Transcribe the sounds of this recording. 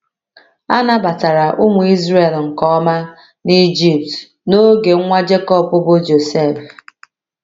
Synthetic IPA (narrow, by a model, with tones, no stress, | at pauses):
a˦na˦ba˨ta˨ɾa˨ʔʊ˦ŋʷʊ˨i˦zre˦˨lŋ̩˨kɔ˦ma˦ | ni˦d͡ʒi˨p̚t | no˦ɡe˨˦ŋʷa˦d͡ʒe˦kɔ˦pʊ˦bʊ˦d͡ʒo˨se˦˨f